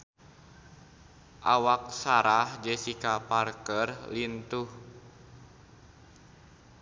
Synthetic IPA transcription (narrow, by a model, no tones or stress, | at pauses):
ʔawak̚saɾahd͡ʒɛsikaparkərlint̪uh